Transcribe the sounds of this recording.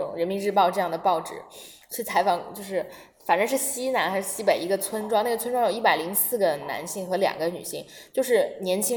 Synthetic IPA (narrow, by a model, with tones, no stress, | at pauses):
ʊ̰˨˩ŋɻə˧˥nmi˧˥ɻ̩˥˧pɑ˥˧ʊʈ͡ʂɤ˥˧jɑ˥˩ŋd̪ə˩pɑ˥˩ʊʈ͡ʂɻ̩̰˨˩˦ | t͡ɕʰy˥˩t͡sʰa˧˥ɪfɑ˨˩ŋt͡ɕjo˥˧ʊʂɻ̩˥˩ | fa˨˩nə˧˥ʂɻ̩˥˩ɕi˥na˧˥nxa˧˥ʂɻ̩˥˩ɕi˥pe˨˩ɪi˧˥ɡə˧t͡sʰwə˥nʈ͡ʂwɑ˥ŋna˥˩ɡə˩t͡sʰwnʈ͡ʂwɑ˥ŋjo˨˩ʊi˥˩pa˨˩ɪli˧˥ŋsɹ̩˥˩ɡə˩na̰˧˥nɕi˥˩ŋxɤ˧˥ljɑ̰˨˩ŋɡə˦ny̰˨˩ɕi˥˩ŋt͡ɕjo˥˧ʊʂ̬ɻ̩˥˩njɛ˧˥nt͡ɕʰi˥